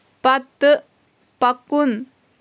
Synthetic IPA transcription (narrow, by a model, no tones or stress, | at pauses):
pat̪əʔ | pakun